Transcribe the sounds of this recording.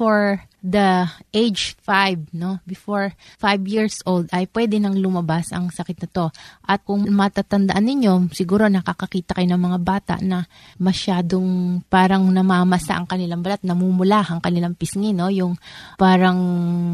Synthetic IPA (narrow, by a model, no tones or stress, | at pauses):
foɹ | d̪ɐʔejd͡ʒfajb̚no̞bɪfoɹfajbjiɹsʔold̪ɐjpwɛd̪ɛnɐŋlʊmɐbasʔɐ̰ŋsɐkɪt̪̚nɐt̪o̞ʔɐt̪̚kʊŋmɐt̪aːt̪ɐnd̪ɐʔanːɪɲo̞sɪɡuːɾo̞nɐkakɐkiːt̪ɐkɐjo̞nɐŋmɐŋabaːt̪ɐ̰ʔnɐ | mɐʃaːd̪oŋpaːɾɐŋnɐmaːmɐsa̰ʔɐŋkɐnɪlaŋbɐlat̪̚nɐmumʊlaːhɐŋkɐnɪlaŋpɪsŋɪno̞jʊŋpaːɾɐŋ